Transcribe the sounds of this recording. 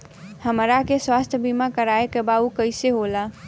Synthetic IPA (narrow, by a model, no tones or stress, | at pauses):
həmɾakeswast̪ʰjəbʱimakəɾaekebaukəɪseɦola